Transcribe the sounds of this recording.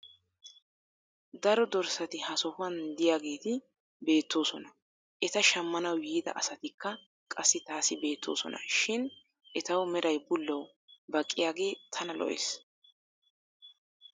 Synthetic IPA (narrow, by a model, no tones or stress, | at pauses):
d̪ɐɾɔd̪ɔɾsɐt̪ɪhɐsɔfʊɐnd̪ɪjaːɡe̞ːt̪ɪ | be̞ːt̪ːo̞ːsɔnɐ | ʔɛt̪ɐʃɐmːɐnɐwjiːd̪ɐ̰ʔɐsɐt̪ɪkːɐ | kʼɐsːɪt̪aːsɪbe̞ːt̪ʰːo̞̰ːsɔ̰nɐ̰ʃɪn | ʔɛt̪ɐwmɛɾɐjbʊlːɐw | bɐkʼːɪjaːɡe̞ːt̪ʰɐnɐlɔ̰ʔḛːs